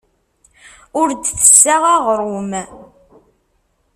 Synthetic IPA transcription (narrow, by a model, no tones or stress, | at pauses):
ʊɾd̪θə̥sːaʁaʁɾˤum